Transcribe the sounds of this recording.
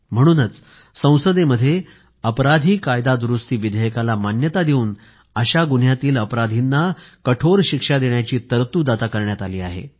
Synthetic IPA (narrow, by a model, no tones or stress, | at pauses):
m̤əɽ̃uːnət͡s | sə̃w̃səd̪eməd̪ʱːje | əpɾad̪ʱiːkajd̪ad̪ɾust̪iːʋid̪ʱəjəkalamanjət̪ad̪euːn | əɕaɡun̤jat̪iːləpɾad̪ʱinːakəʈʰoɾɕikʂad̪eɳjat͡ɕiːt̪əɾt̪uːd̪at̪akəɾɳjat̪aliːaɦḛ